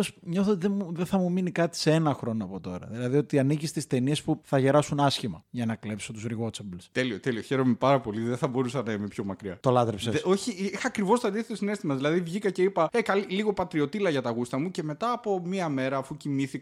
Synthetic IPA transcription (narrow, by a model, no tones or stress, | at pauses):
sɲo̞θot̪iðemuðeθɐmuminikɐt̪i̥seenɐxɾo̞noɐpo̞t̪o̞ɾɐ̰ðilɐðio̞t̪iɐnicist̪ist̪e̞nie̞spuθɐʝe̞ɾɐsunɐsçimɐʝɐnɐkle̞psot̪uzɾiɣo̞t͡sɐblst̪e̞lio̞t̪e̞lioçe̞ɾo̞mepɐɾɐpo̞liðeθɐbo̞ɾusɐnɐime̞pço̞mɐkɾiɐt̪olɐt̪ɾepseso̞çiixɐːkɾivo̞st̪ɐðiθet̪ɐsine̞st̪imɐðilɐðivʝikɐce̞ipɐekɐliliɣo̞pɐt̪ɾio̞t̪ilɐʝɐt̪ɐɣust̪ɐmuce̞me̞t̪ɐːpo̞miɐme̞ɾɐːfucimiθik